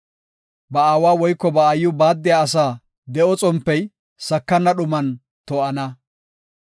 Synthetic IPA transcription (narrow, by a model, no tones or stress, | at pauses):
bɐaːwaːwɔjkːɔbɐːjːʊbaːd̪ːɪjaɐs̬aː | d̪ɛʔɔt͡sʼɔmpːɛj | sɐkːɐnːɐɗʊmɐn | t̪ɔʔɐnɐ